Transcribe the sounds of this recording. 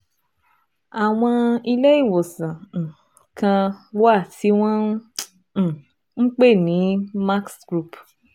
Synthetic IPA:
a˨w̃ɔ̃˧i˧le˦i˦˨wo˨sã˨ŋ̩˨ | kã˧wa˦˨ti˨˦w̃ɔ̃˦˨ | ŋ̩˦k͡pe˦˨nĩ˨˦ma˦ksɡ̥ɾu˦˨p

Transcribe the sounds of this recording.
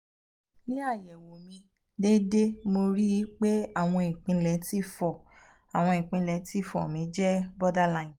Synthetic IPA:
nĩ˦a˦˨jɛ˨wo˨mĩ˧ | de˦de˦mo˧ɾi˦i˨˦k͡pe˦a˦˨w̃ɔ̃˧ĩ˨k͡pĩ˧lɛ˨˦ti˦fɔ˨ | a˨w̃ɔ̃˧ĩ˨k͡pĩ˧lɛ˨˦ti˦˨fɔ̰˨mĩ˨˧˦d͡ʒɛ˦bɔ˦da˦la˦˨ĩ˨

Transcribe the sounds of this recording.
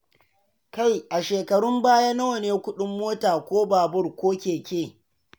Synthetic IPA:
ka˦˨jʔa˨ʃeː˨kɐ˨ɽʊ˦mbaː˦ja˦na˦wɐ˨neː˨kʷʊ˦ɗʊ˦mːoː˦taː˨kʷoː˦baː˨bʊ˦rkʷoː˦kʲeː˨kʲeː˦˨

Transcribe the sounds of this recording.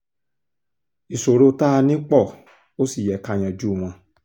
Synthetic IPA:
i˨so˨ɾo˧ta˦˧nĩ˦k͡pɔ˦˨ | o˦si˦˨jɛ˨˦ka˧˨j̃ã˨d͡ʒu˦˨w̃ã˧˦

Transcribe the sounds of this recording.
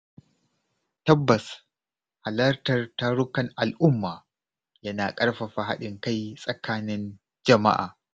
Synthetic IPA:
tɐ˦bːɐ˨s | ha˨lɐ˦rtɐ˨rta˦ɽʊ˦kɐ˨ŋʔa˨lʔʊ˦mːaː˨ | jɐ˦naː˨kʼɐ˦rɸɐ˨ɸa˨ɦa̰˦ɗɪ˨ŋka˦jsʼɐ˨kʰaː˦nɪ˦n | d͡ʒɐ˨ma̰˦ʔa̰ː˨

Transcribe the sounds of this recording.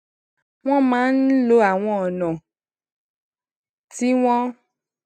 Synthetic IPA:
w̃ɔ̃˦mã˨˦n̩˦lo˦a˨w̃ɔ̃˦ɔ˨nɔ̃˨ | ti˦w̃ɔ̃˦

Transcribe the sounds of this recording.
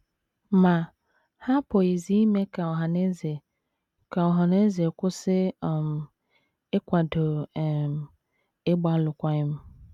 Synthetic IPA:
mã˨ | ha˦pʰo˨e˨zi˦mɛ̃˦kʰa˨wɔ˨ɦã˨nɪ̃˦zɛ˨ | kʰa˨wɔ˨ɦã˨nɪ̃˦zɪ˨ɛ˨kʊ˦sɪ˦˨m | e˦kʷa˨do˨m | e˦ba˦lʊ˨kʷa˦ɪ˦m˦

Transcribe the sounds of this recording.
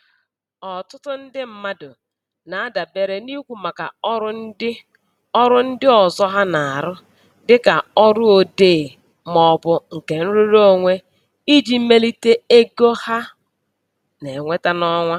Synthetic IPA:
ɔ˨tʊ˦tʊ˦n̩˦dɪ˦m̩˦ma˦dʊ˨ | na˨a˦da˨be˨ɾe˦ni˦kʷu˨ma˨ka̰˨ɔ˦ɾʊ˦n̩˦dɪ˦ | ɔ˦ɾʊ˦n̩˦dɪ˦ɔ˨zɔ˦ɦa˦na˨a˨ɾʊ˦ | dɪ˦ka˨ɔ˦ɾʊ˦o˨deː˦˨ | mɔ˦bʊ˦ŋ̩˨ke˨n̩˦ɾu˦ɾo˦o˦˨ŋʷe˦ | i˦d͡ʒi˦me˦li˦te˦e˦ɡo˦ha˦ | ne˨ŋʷe˦ta˦nɔ˦ŋʷa˦

